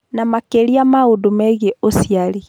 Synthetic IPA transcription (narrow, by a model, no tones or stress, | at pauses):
namakeliamaodumɛɣeosiali